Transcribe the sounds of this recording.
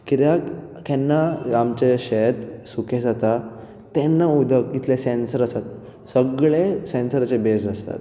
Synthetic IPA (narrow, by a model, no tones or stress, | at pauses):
kit̪jakkɛnːaamt͡ɕeɕet̪suked͡zat̪a | t̪ɛnːaud̪ʱəkit̪lesɛnsəɾəsat̪̚ | səɡɭesɛnsəɾt͡ɕebesd͡zast̪a̰t̪̚